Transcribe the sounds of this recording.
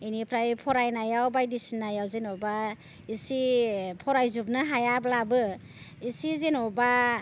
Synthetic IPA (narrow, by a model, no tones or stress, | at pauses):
inipʰɾajpʰɔɾajnajawbajdisinːajawzenɔba | isipʰɔɾajzub̚nɯɦajablabɯ | isizenɔba